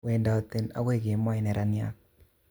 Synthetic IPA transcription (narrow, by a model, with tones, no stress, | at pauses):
weː˨nda˨o˨t̪e˨na̰˦ɣwe˦ɣe˨mwa˦i˨nɛ˨ɾa˦nja̰k̚